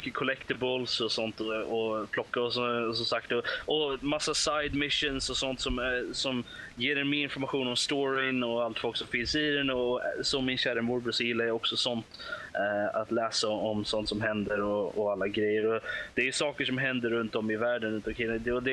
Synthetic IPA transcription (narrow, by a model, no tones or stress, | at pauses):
kːəkʰɔlɛkt̪ɪbəlsɔsɔnt̪ɔɔpʰlɔkːaɔsɔsɔmsakt̪ɔʔɔmasːasaɪd̪mɪʂːʊnsɔsɔnt̪sɔmsɔmjeːɾɛnmɪɪnfɔɾmaɧuːnɔmst̪ɔːɾɪnɔalt̪fɔlksɔmfɪnsiɾɛnɔsɔmːɪnɕæːɾəmʊɾbəsɔjɪlːajaɔksɔsɔnt̪ | a̰t̪lɛːsaɔmsɔnt̪sɔmɦɛnd̪əɾɔɔalːaɡɾɛjːəɾɔd̪̥ɛæjɵsɑːkəʂɔmɦɛnd̪əɾːɵnt̪ɔmɪvæːɖənʉnt̪amkʰɪld̪ɛɔd̪ɛ